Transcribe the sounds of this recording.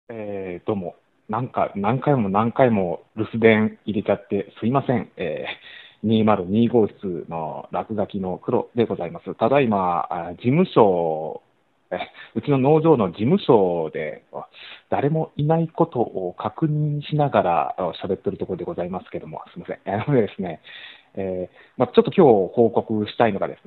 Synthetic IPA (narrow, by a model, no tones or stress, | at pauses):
ed̪̥o̞ːmo̞ | nãŋka̰nãŋkaimo̞nãŋkaimo̞ɾɯ̟sɨd̪ẽ̞ɰiɾe̞t͡ɕat̪ːe̞sɨimasẽ̞ŋḛːɲ̟iːmaɾɯ̟ɲ̟iːɡo̞ːi̥t͡sɨno̞̰ɾakɯ̟ɡakʲino̞kɯ̟ɾo̞̰d̪e̞ɡo̞zaimasɨt̪ad̪aimad͡ʑimɯ̟ɕo̞ː | eɯ̟t͡ɕino̞no̞ːʑo̞ːno̞d͡ʑimɯ̟ɕo̞d̪e̞̰od̪̥aɾe̞mo̞inaiko̞t̪o̞ʔokʰakɯ̟ɲ̟ĩɰ̃ɕinaɡaɾa̰oɕabe̞t̪ːe̞ɾɯ̟t̪o̞koɾo̞d̪e̞ɡo̞zaimasɨ̥ke̞d̪o̞mo̞̰sɨimasẽenod̪e̞d̪e̞sɨne̞ | eː | mat͡ɕo̞t̪ːo̞kʲo̞ːho̞ːko̞kɯ̟ɕi̥t̪aino̞ɡa̰d̪e̞sɨne